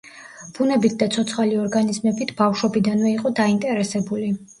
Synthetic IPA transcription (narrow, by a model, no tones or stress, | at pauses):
b̥unɛbit̪̚ʰd̪at̪sʰɔt̪sʰχaliɔɾɡanizmɛbit̪ʰb̥afʃwɔbid̪anvɛiqʼɔd̪aint̪ʼɛɾɛsɛbuli